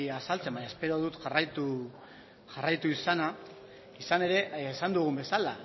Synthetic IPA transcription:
asalt͡se̞mbaɲaespe̞ɾo̞ðut̪ʝarajt̪u | ʝarajt̪uisana | isane̞ɾe̞ːsand̪uɣ̞umbe̞sala

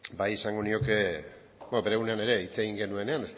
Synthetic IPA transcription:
bajesaŋɡonio̞ke̞ | bobe̞ɾe̞ɣune̞ane̞ɾe̞it͡se̞ɣiŋɡe̞nue̞ne̞anes

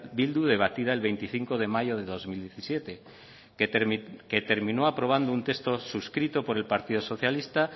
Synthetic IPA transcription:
bild̪uð̞e̞β̞at̪iðae̞lβe̞jnt̪iθiŋko̞ð̞e̞majoð̞e̞ðo̞zmild̪jeθisje̞t̪e̞ | ket̪e̞ɾmĩnoapɾo̞β̞and̪ount̪e̞st̪o̞suskɾit̪o̞po̞ɾe̞lpaɾt̪ið̞oso̞θjalist̪a

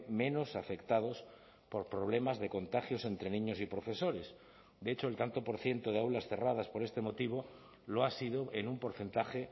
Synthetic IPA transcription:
mẽ̞no̞safe̞kt̪að̞o̞s | po̞ɾpɾo̞βle̞mazðe̞ko̞nt̪axjo̞se̞nt̪ɾe̞nĩɲo̞sipɾo̞fe̞so̞ɾe̞s | d̪eet͡ʃo̞elt̪ant̪o̞po̞ɾθje̞nt̪o̞ðeawlasθe̞rað̞aspo̞ɾe̞st̪e̞mo̞t̪iβ̞o̞ | loasiðoenumpo̞ɾθe̞nt̪axe

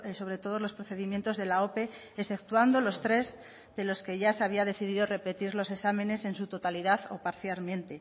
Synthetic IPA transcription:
so̞βɾe̞t̪o̞ð̞o̞zlo̞spɾoθe̞ðimje̞nt̪o̞zðe̞lao̞pe̞ | esfθe̞kt̪wand̪o̞lo̞st̪ɾe̞z | ðe̞lo̞ske̞ʝaseaβ̞iaðe̞θiðiðore̞pe̞t̪iɾlo̞se̞samẽ̞ne̞se̞nsut̪o̞t̪aliðaθo̞paɾθjalmjẽ̞nt̪e̞

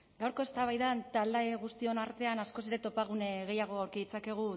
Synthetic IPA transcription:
ɡawɾko̞e̞st̪aβajðant̪ald̪aeɣust̪io̞naɾt̪e̞anasko̞seɾe̞t̪o̞paɣ̞uneɣe̞jaɣ̞o̞awɾkiðit͡sake̞ɣ̞u

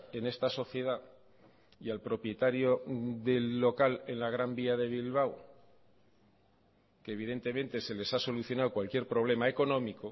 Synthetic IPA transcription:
e̞ne̞st̪aso̞θje̞ða | ialpɾo̞pje̞t̪aɾjo̞ðe̞lːo̞kale̞nlaɣ̞ɾambiaðe̞β̞ilβ̞aw | keːβ̞iðe̞nt̪e̞mẽ̞nt̪e̞se̞le̞saso̞luθjo̞naðokwalkje̞ɾpɾo̞β̞le̞mae̞ko̞nõ̞miko

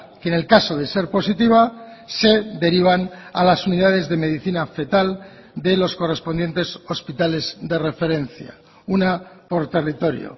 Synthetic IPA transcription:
kene̞lkaso̞ðe̞se̞ɾpo̞sit̪iβ̞a | se̞d̪e̞ɾiβ̞ana̰lasuniðaðe̞zðe̞me̞ðiθinafe̞t̪al | d̪e̞lo̞sko̞re̞spond̪je̞nt̪e̞so̞spit̪ale̞zd̪e̞re̞fe̞ɾe̞nθja̰ | unapo̞ɾt̪e̞rit̪o̞ɾjo̰

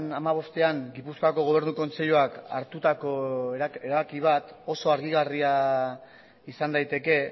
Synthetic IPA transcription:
namaβ̞o̞st̪e̞aŋɡipuskoako̞ɣ̞o̞β̞e̞ɾnuko̞nse̞ʎuaka̰ɾt̪ut̪ako̞e̞ɾaβakiβ̞at̪o̞so̞aɾɣiɣ̞aria | isand̪ajt̪e̞ke̞

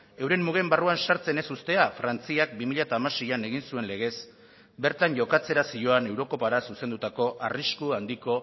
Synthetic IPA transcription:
e̞wɾe̞mːuɣ̞e̞mbaruansaɾt͡se̞ne̞sust̪e̞afɾant͡siakbimiʎat̪aːmasejane̞ɣinsue̞nle̞ɣ̞e̞s | be̞ɾt̪aɲʝo̞kat͡se̞ɾasijo̞ane̞wɾo̞ko̞paɾasuse̞nd̪ut̪ako̞ʔariskuand̪iko̞

